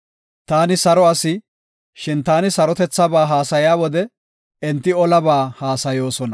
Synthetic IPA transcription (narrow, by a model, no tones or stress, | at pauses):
t̪aːnɪsɐɾɔɐsɪ | ʃɪnt̪aːnɪsɐɾɔt̪ɛt͡sːɐbaːɦaːsɐjaːwɔd̪ɛ | ɛnt̪ːɪɔlɐbaːhaːsɐjo̞ːsɔnɐ